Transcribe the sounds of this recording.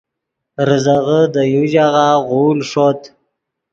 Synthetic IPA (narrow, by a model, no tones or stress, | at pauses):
ɾəzaɣəd̪əjuʒaʁaɣulʂot̪